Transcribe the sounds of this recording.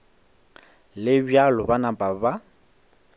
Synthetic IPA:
lɪbjalɔbanapʼaba

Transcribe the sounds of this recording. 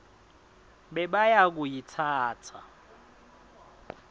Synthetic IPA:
ɓɛɓajak̬ujitʰaːtʰa̰

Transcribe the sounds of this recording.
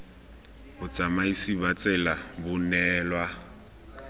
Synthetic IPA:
bʊt͡sʼamaisibat͡sʼɛlabʊnɛːlwa

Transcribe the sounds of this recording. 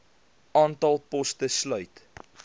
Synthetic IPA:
ʔɑːntɐlˠpɔstəslœɥt

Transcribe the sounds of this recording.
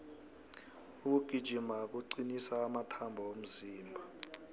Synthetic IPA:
uk̬uɡ̥ʱid̥ʒ̥ʱimak̬ʼuǀinisaːmatʰambʱɔom̩ziːmbʱa

